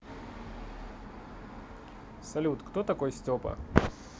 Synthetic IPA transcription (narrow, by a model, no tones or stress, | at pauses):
sɐlʲut̪kt̪ot̪ɐkojsʲtʲopɐ̰